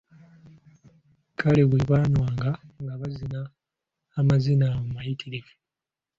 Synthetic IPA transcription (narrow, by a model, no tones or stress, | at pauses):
kʰaleβuiβaːnwaːŋɡaŋɡaβazinaː | mazinamumajitiɾive